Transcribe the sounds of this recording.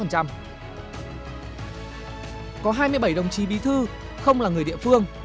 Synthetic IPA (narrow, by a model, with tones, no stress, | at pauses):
ə˨˩nt͡ɕa˧m | kɔ˨˦ɦaː˧jmɨ˧əjɓə˧˩jɗə˨˩wŋ͡mt͡ɕi˨˦ɓi˨˦t̪ʰɨ˧ | xə˧wŋ͡mlaː˨˩ŋɨ˨˩əjɗḭ˧˨fɨ˧əŋ